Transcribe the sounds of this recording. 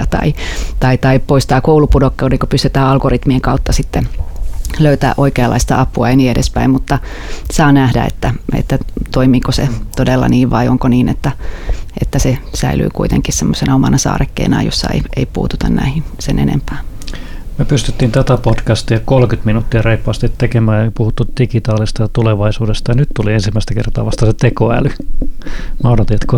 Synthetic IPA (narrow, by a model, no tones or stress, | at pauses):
t̪ɑ̰it̪ɑit̪ɑipoist̪ɑːkoulupudokːeudeŋkopyst̪yt̪æːɑlɡorit̪mieŋkɑut̪ːɑsit̪ːe | løyt̪æ̰ːʔoikeɑlːɑ̰ist̪ɑ̰ɑpːˑuɑeniedespæimmut̪ːɑ | sɑːnæhdæ̰ḛt̪ːæḛt̪ːæt̪oimiːkosḛt̪odelːɑ̰niːʋʋɑioŋkoniːnḛt̪ːæʔet̪ːæsesæily̰ːkuit̪ḛŋkissemːosenɑomɑnʔɑsɑ̰ːrekːḛːnɑ̰josːɑ̰ḛieipṵːt̪ut̪ɑnnæ̰hinsenʔḛnḛmpæː | myøpyst̪yt̪ːiːnt̪æt̪æpotkæst̪iɑkolkyt̪minut̪ːiɑreipːɑːst̪it̪ːekemæːjɑpuhut̪ːut̪d̥ikit̪ɑːlist̪ɑjɑt̪uleʋɑisuːdest̪ɑjɑnyt̪t̪uliensimːæist̪ækḛrt̪ɑːʋɑst̪ɑset̪ekoæ̰ly | mɑunot̪iet̪ko